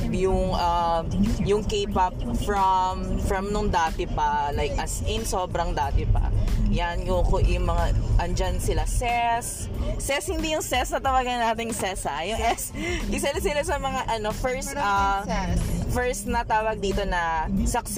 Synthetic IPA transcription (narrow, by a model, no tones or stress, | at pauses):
jʊŋʔɐmjʊŋkeːpɐp̚fɹɐmfɹɐmnʊŋd̪aːt̪ɪpɐlajkʔɐsɪnsoːbɾɐŋd̪aːt̪ɪpɐ̰jankokoʔʊŋmɐŋaʔɐnd͡ʒansɪlasɛsːɛshɪnd̪ijʊŋsɛsnɐt̪ɐwaːɡɐŋnaːt̪ɪŋsɛsɐjʊŋʔɛsɡɪs̬ɛlas̬ɪlasɐmɐŋaʔɐnofɛɹst̪ɐ | fɛɹst̪̚nɐt̪aːwɐɡ̚d̪iːt̪o̞nɐsɐks